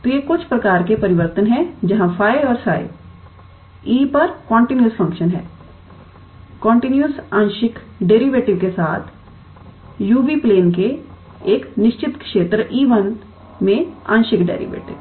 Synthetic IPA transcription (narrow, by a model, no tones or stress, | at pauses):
t̪ojekʊt͡ʃʰpɾɐkaːɾkepɐɾɪʋəɾt̪ənɦɛ̃d͡ʒɐɦãfʰaːjɔːɾsa̰ːɪ̰ | iːpɐɾkɔ̃ːɳʈinjuspʰɐ̃ŋkʃənɦɛ̰ː | kɔ̃ːɳʈinjusãːnʃɪk | ɖeːɾiʋeːʈɪʋkesaːt̪ʰ | juːbipleːnke | eːknɪʃt͡ʃɪt̪kʃeːt̪ɾəʔiːʋən | mẽã̰ːnʃɪkɖḛːɾḭʋḛːʈɪ̰ʋ